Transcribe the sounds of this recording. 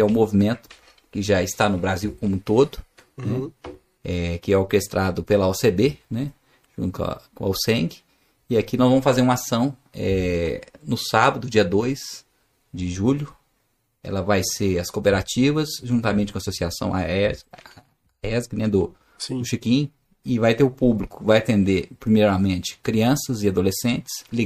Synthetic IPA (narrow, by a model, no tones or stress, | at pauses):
ɛʊ̃movimẽnt̪ʊ̥ | kɪʒaɪst̪anʊbɾaziwkõmʊ̃t̪od̪ʊ | nɛ | ɛkɪɛoɾkest̪ɾʔad̪ʊpelɐɔsebenɛ | ʒ̥ũt̪ʊɐ̰kõawsẽɡɪ | ɪakinɔzvɐ̃mʊsfazeɾũasɐ̃w̃ | ɛ̰ | nʊsabɐd̪ʊd͡ʒiɐd̪ojs | d͡ʒɪʒuʎʊ | ɛ̰lɐvajseɾɐskopeɾat͡ʃivɐzʒũnt̪amẽnt͡ʃɪkasosiasɐ̰̃w̃a̰ɛ | ɛzknẽd̪o | sĩʊʃikĩ | ɪvajt̪eɾʊpublikʊ̥vajat̪ẽnd̪eɾpɾimejɾɐmẽnt͡ʃɪ̥kɾiɐ̃sɐzɪad̪olesẽnt͡ʃɪ̥sli